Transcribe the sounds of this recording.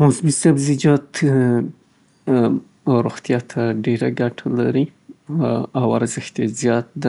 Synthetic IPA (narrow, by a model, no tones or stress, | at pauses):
mosmisabzid͡ʒɑt̪ | ɾoɣt̪jɑt̪ʰaɖeɾaɡaʈʰalaɾi | awaɾzɪxt̪ezjɑt̪̚d̪a